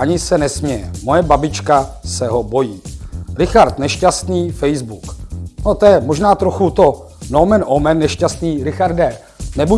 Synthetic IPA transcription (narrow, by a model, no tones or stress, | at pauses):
aɲɪsɛnɛsmɲɛjɛmo̞jɛbabɪt͡ʃkasɛɦo̞bo̞jiːɾɪxaɾt̪nɛʃcast̪niːfɛjzbuknot̪ojɛmoʒnaːt̪ɾoxut̪o | nowmɛnʔomɛnːɛʃcast̪niːɾɪxaɾdɛ | nɛbu